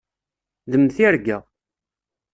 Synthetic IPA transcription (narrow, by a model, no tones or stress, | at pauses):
ðəmθiɾɡæ